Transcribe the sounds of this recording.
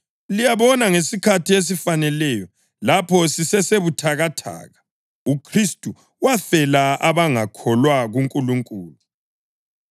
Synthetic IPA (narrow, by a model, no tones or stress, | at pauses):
lijaβɔnaŋesikʰatʰies̬ifanɛlɛjɔ | lapʰɔsisɛseβutʰaɣatʰa̰ːɣa | ukʰristʼu | wafɛlaaβaŋakʰɔlwaɣuŋkʼuluŋkʼuːlu